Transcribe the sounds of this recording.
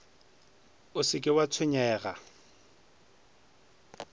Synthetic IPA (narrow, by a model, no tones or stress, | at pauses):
ʊsɪkʼɪwat͡sʰwɪɲɛːɣa